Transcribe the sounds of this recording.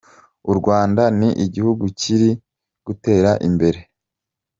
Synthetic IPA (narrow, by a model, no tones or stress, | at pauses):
uɾɡwaːndaniʔiɟihuɡuciɾi | ɡ̥ute̞ːɾaʔimbe̞ɾe̞